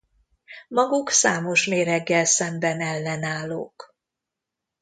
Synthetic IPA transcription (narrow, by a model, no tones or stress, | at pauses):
mɒɡuksaːmo̞ʃmeːɾɛɡːɛlsɛmbɛnɛlːɛnaːlːo̰ːk